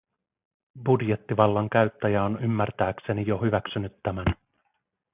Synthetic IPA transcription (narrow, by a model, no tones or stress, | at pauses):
budje̞t̪ːiʋɑlːɑŋkæɥt̪ːæjæonymːært̪æːkse̞nijo̞ɦyʋæksynyt̪ːæmæn